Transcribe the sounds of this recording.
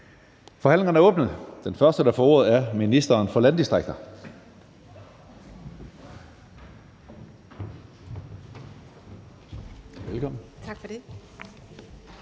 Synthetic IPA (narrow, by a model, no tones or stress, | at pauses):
fɒ̽hæn̰le̝ŋɐn̩æɐɔ̽ːb̥nð̩ˠd̥enfɶɐsd̥əɾ̥ɑ̈fɒːo̝ɐð̞̩ˠæɐminisd̥ɐːnfɒ̽lænd̥isd̥ʁaɡ̥̚d̥ɐ | ʋelkʰɒ̽m̰n̩t͡sʰaɡ̥fɒd̥e